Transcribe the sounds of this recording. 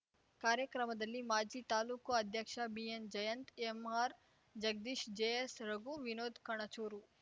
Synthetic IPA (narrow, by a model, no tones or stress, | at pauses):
kaːɾjəkɾəməd̪ɐlːimaːd͡ʒit̪aːlukːoɐd̪ʱjəkʃabiːend͡ʒɐjənt̪emaːɾ | d͡ʒɐɡ̚d̪iːʃd͡ʒeesɾɐɡuʋɪnoːd̪kɐɽ̃ɐt͡ʃoːɾuː